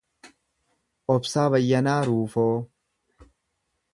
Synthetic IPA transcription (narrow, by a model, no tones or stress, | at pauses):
ʔɔbsaːbɐjːɐnaːɾuːfoː